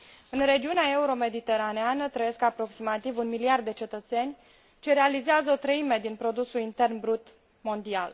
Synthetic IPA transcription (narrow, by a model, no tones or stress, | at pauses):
ɨnre̞d͡ʒiuneae̞uɾo̞me̞d̪it̪e̞ɾaneanət̪ɾəje̞skapɾo̞ksimat̪ivunmiliard̪ːe̞t͡ʃe̞t̪ət̪se̞nʲ | t͡ʃe̞ɾealizeazəo̞t̪ɾəime̞d̪inpɾo̞d̪usulint̪e̞rnbɾut̪ | mo̞nd̪ia̰l